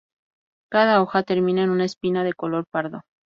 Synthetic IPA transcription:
kaðao̞xat̪e̞ɾmĩnaenunaespinaðe̞ko̞lo̞ɾpaɾðo̞

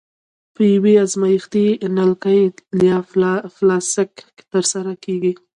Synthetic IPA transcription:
pəjaweazmajixt̪inalkajljɑflɑsɪkːe̥t̪əɾsaɾakeɡi

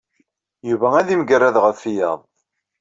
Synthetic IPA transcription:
juvææðimɡəɾːæðʁəfːijɑ̰ðˤ

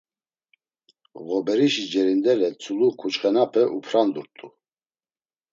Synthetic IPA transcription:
ɣɔbɛɾiʃid͡ʒɛɾind̪ɛlɛt͡sʰʼulukʰut͡ʃχɛnapʰɛʔupʰɾand̪uɾt̪ʼu

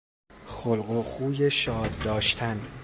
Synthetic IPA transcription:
xolɢoχuːje̞ʃɒːd̪ːɒːʃt̪ʰæn

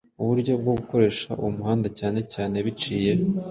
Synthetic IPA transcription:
uβuɾɟo̞b̚ɡoɡuko̞ɾe̞ːʃa̰ʔuwumuhaːndacaːne̞caːne̞βit͡ʃiːje̞

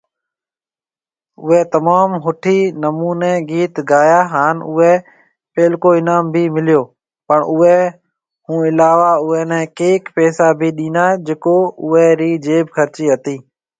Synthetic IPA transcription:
ʊɦɛːt̪əmaːmɦʊʈʰiːnəmuːneːɡiːt̪ɡaːjaːɦaːnʊɦɛː | peːlkoːɪnaːmbʱiːmɪlɪjoː | pəɳʔʊɦɛː | hũːɪlaːʋaːʊɦɛːnɛ̃ːkeːkpɛːsaːbʱiːɗĩːnaːd͡ʒeːkoːʊɦɛːɾiːd͡ʒeːbkʰəɾt͡ʃiːɦət̪iː

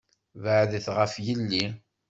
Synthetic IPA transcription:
vəʕðəθʁəfjəlːi

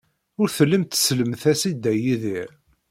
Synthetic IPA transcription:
ʊɾθəlːəmt̪sləmθæsid̪ːæjiðiɾ

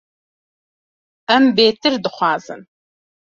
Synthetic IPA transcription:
ɐmbeːtʰɨrdɨχʷɑːzɨ̰n

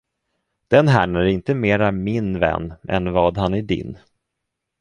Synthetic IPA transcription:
d̪̥ɛnɦæːɳæɾɪnt̪əmeːɾamɪnvɛ̰nːɛ̰nvɑːd̪ɦanæɖɪ̰n

